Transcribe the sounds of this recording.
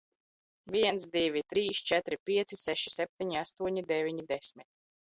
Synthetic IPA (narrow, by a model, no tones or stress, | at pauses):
viɛnt̪d̪ivʲit̪ɾiːst͡ʃɛt̪ɾipʲiɛt̪sisɛʃi̥sʲɛp̚t̪ʲiɲiast̪uɔɲid̪ɛvʲiɲid̪ɛsʲmit̪̚